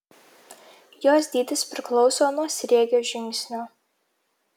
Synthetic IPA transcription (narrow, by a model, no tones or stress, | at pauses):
joːs̬ʲd̪ʲiːt̪ʲɪspʲɾʲɪklˠɒʊsoːnuɔsʲɾʲeɛɡʲoːʒʲɪŋʲksʲnʲoː